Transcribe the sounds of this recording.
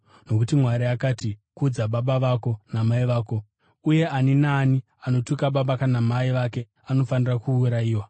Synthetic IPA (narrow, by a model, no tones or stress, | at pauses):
no̞kutimwaɾiakaːtikud͡zaɓaɓaʋako̞namaiʋaːko̞ | uje̞aninaːni | ano̞tukaɓaɓakanamaiʋake̞ | ano̞fanirakuːɾaiːwa